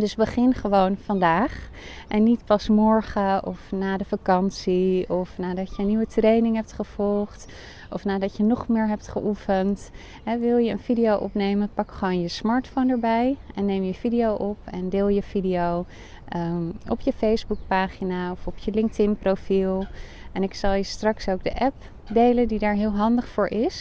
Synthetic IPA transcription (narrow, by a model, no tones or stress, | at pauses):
dɵsbəχɪnχəʋownfɑndaːχ | ʔɛnːitpɑsmɔɹχəʔɔfnaːdəfakɑnsiɔfnaːdɑtjəənːiʋətrejnɪŋɦɛp̚tχəv̥ɔlˠχt | ʔɔfnaːdɑtjənɔχmɪːɹɦɛp̚tχəʔufənt | ɦɛʋɪlˠjəə̰nvidijowʔɔpnejmənpɑkχəʋownjəsmɑɹtfondəɹbɛjɛnːejmjəvidijowʔɔpɛndɪːlˠjəv̥idijow | ʔɔ̰pjəfejzbuk̚paːχinaɔfɔpʰjəlɪŋk̚tɪnprowfilˠ | ɛnɪksɑlˠjəstrɑksowɡdəʔɛp̚ | dejləndidaːɹɦɪːlˠɦɑndəχfʊːɹʔɪs